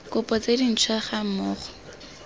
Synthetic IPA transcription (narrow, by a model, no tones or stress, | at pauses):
kʊpʼɔt͡sedin̩t͡ʃʰwaχam̩mʊːχʊ̥